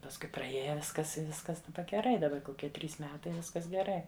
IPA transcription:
pɐsˈkʊɪ prɐˈeːjɛ ˈʋʲɪskɐs ɪ ˈʋʲɪskɐs dɐˈbɐ ɡʲɛˈrɐɪ dɐˈbɐ koːˈkʲiɛ ˈtʲrʲiːs ˈmʲæːtɐɪ ˈʋʲɪskɐs ɡʲɛˈrɐɪ

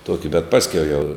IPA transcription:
ˈtuɔkʲɪ bʲɛt ˈpɑːsʲkʲɛʊ jɛʊ

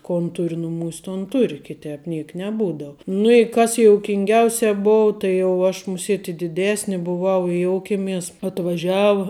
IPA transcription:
ˈkoːn ˈtʊrʲ ˈnʊmuːsʲ ˈtoːn ˈtʊrʲ kʲɪˈtʲɛp ˈnʲiɛk nʲɛˈbuːdɐʊ nʊ ɪ ˈkɐs joːʊkʲɪŋʲˈɡʲɛʊsʲɛ ˈboːʊ tɐɪ jɛʊ ˈɐʃ mʊˈsʲiɛtʲ ɪ dʲɪˈdʲæːsʲnʲɪ bʊˈʋɐʊ ɪ ˈjoːʊkʲeːmʲɛs ɐtʋɐˈʒʲɛʊ

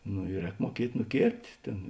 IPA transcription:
noː ɪ ˈrʲɛːk muɔˈkʲiɛtʲ nʊˈkʲeːrʲpʲtʲ ˈtʲeːn

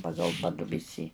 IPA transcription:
ˈpɑːɡɐlˠ ˈpɑːdʊbʲɪsʲiː

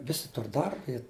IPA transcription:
ˈʋʲɪsʲɪ ˈtʊr ˈdɐrbɐ ɪ

